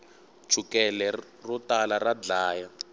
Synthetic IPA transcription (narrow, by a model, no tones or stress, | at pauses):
t͡ʃʰukɛlɛ | rutalarad͡ɮaːja